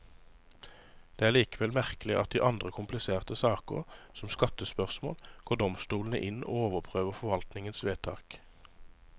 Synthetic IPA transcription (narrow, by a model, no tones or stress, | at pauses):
d̪̥eːæːʁliːkəʋɛlmæʁklɪʔɑt̪̚d̪iːʔɑnd̪ʁəkʰʊmplɪseːʁt̪əsɑːkəʁsɔmskɑt̪əspœʁsmo̰ːlɡ̥oːd̪ɔmst̪uːln̩əʔɪno̰ːoːʋəʁpʰʁøːʋəʁfɔʋɑlt̪nɪŋənsʋeːt̪ʰɑ̰ːk